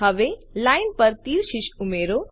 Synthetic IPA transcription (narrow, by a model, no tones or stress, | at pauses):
ɐʋelaːɪnpɐɾt̪iːɾʃiʃumeːɾo